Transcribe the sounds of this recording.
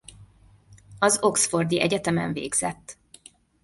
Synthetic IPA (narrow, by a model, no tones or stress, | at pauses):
ɒzo̞ksfo̞rd̪iʔɛɟɛt̪ɛmɛ̰ɱvḛːɡz̥ɛt̪ː